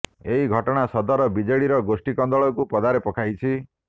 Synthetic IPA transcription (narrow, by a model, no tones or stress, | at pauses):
eɦiɡʱɔʈɔɽ̃asɔd̪ɔɾɔbid͡ʒeɽiɾɔɡosʈikɔnd̪ɔɭɔkupɔd̪aɾepɔkʰajt͡ʃʰi